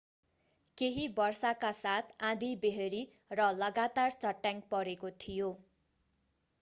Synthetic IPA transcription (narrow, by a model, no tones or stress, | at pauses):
keɦibʌrsakasat̪ʰãd̪ibeɦeɾi | rʌlʌɡat̪art͡sʌʈːjaŋɡpʌɾekot̪ʰijo